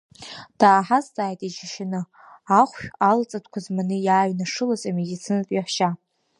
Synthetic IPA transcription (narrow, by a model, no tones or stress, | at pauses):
d̥aːħazt͡sʼaːjtʼid͡ʒɪʃanɨ | aχʷʃᶣalt͡sʼatʷʰkʷʰazmanɨjaːɥnaʂɨlazʼamedit͡sʰɨnatʼiħʷʃa